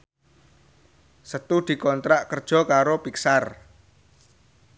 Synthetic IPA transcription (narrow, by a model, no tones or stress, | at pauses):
sət̪ud̪̥i̤kɔnt̪ɾaʔkərd̥ʒ̥ɔ̤kaɾopiksar